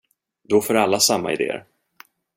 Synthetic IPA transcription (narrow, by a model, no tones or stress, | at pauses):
d̪ɔfoːɾalːasamːa̰ɪd̪ḛːə̰ɾ